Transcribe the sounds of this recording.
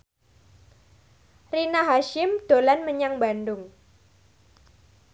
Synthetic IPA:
rinaɦaʃɪmd̪̥o̤lanməɲaŋbandʊŋ

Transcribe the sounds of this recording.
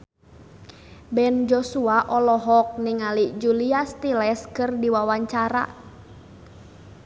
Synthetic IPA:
bɛnd͡ʒɔsuaʔɔlɔɦɔk̚niŋalid͡ʒuliast̪ilɛskɨrdiwawaɲt͡ʃaɾa̰

